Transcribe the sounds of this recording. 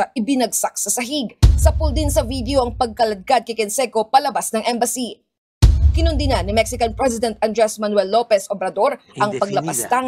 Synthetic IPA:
ɐʔɪbɪnɐɡ̚sɐk̚sɐsɐɦiɡsɐpʊld̪insɐvid̪ɛoʔɐŋpɐɡ̚kɐlɐd̪̚ɡad̪̚kɐjkɛnsɛko̞pɐlɐbasnɐŋʔɛmbɐsi | kɪnʊnd̪ɪnanɪmɛksɪkɐnpɹɛs̬ɪd̪ɛnt̪̚ʔɐnd̪ɾɛsmɐnwɛlːo̞pɛsʔobɾɐd̪o̞ɾ | ɐŋpɐɡ̚lɐpɐst̪a

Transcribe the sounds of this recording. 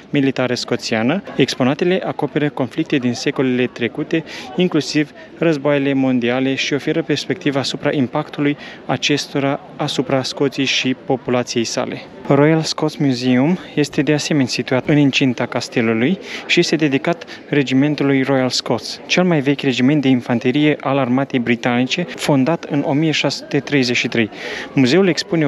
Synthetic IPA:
milit̪aɾəsko̞t̪sianəe̞kspo̞nat̪e̞le̞ʔako̞pe̞ɾəko̞nflik̚t̪e̞d̪inse̞ko̞lele̞t̪ɾe̞kut̪e̞iŋklusiv | rəzboajele̞mo̞nd̪iale̞ʃio̞fe̞ɾəpe̞rspe̞kt̪ivaːsupɾaʔimpakt̪ulujat͡ʃe̞st̪o̞ɾaː | supɾasko̞t̪sijejʃipo̞pulat̪sije̞jsa̰le̞ | rojalsko̞t̪smjuzeumje̞st̪e̞d̪e̞ase̞me̞nʲsit̪uat̪ɨnɨnt͡ʃint̪akast̪e̞lulujʃije̞st̪e̞d̪e̞d̪ikat̪ | re̞d͡ʒime̞nt̪ulujro̞jalsko̞t̪st͡ʃe̞lmajve̞kʲre̞d͡ʒimet̪̚d̪einfant̪eɾije̞ʔalarmat̪e̞jbɾit̪anit͡ʃe̞fo̞nd̪at̪ɨno̞mije̞ʃasu̥t̪e̞t̪ɾe̞jze̞ʃit̪ɾe̞jmuze̞ule̞kspune̞

